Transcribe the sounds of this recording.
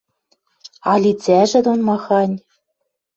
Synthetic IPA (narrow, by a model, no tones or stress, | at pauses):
ɑlʲit͡sʲæʒɘ̆d̪unmɑxɑnʲ